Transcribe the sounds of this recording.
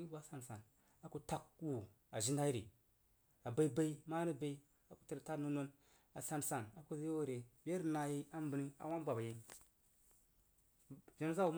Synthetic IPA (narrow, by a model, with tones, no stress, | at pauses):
i˦a˦sa˨n˨sa˨n | a˨ku˦ta˦ku˨ | a˨ʒi˦nda˦i˦ɾḭ˨ | a˨ba˨i˦ba˦i˦ma˦ɾi˦ba˦i˦ | a˨ku̥˦ti˦ɾta˦no˦no˦n | a˨sa˨nsa˨na˨ku˦zi˦jo˦˨ɾe˨be˦ɾna˨ji˦a˦m˦bi˨ni˦a̰˨wa˦n˦bʷa˨ba˨ji˦ | ʒa˨n˦za˦u˦m˦